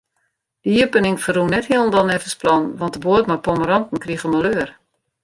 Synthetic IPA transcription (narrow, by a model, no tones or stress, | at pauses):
d̥əiəpənɪŋfərunɛthiəlˠən̩dɔnɛfəsplɔnʋɔntdəboətmapoməɾɔntn̩kriəɣəməløːər